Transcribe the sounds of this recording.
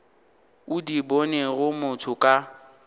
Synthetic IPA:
ʊdibɔneɣʊmʊtʰʊkʼa

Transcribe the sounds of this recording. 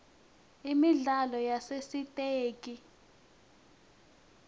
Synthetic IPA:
imiɮalɔjasesitʼeːk̬ʼi

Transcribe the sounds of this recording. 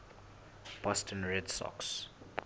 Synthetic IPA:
b̥ɔstʰə̃nɹɛdsɔ̰ks

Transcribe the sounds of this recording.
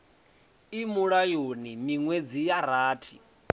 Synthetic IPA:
imuɺajonimiŋwed͡zijaɾaːtʰi

